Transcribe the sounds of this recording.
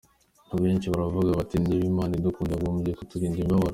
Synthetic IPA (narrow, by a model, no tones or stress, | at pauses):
n̥aːbɡoeːnt͡ʃiβaɾavuɡaβatiniβimaːnid̪ukuːndaɡomuɟekutuɡiːnɡimbaβaɾ